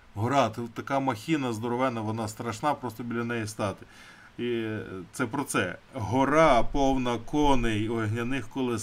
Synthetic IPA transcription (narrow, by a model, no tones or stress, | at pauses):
ɦɔɾɑt̪t̪ːɐkɑmɐxʲinɐzd̪ɔɾɔʋɛnɐʋɔnɑst̪ɾɐʃnɑpɾɔst̪ɔbʲlʲɐnɛjist̪ɑt̪ɪ̥ | it̪sɛpɾɔt̪sɛɦɔɾɑpɔwnɐkɔnɪjɔɦnʲɐnɪxkɔlˠɪs